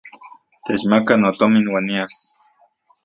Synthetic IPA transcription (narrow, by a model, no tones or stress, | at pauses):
t̪et͡ʃmakanot̪ominwanias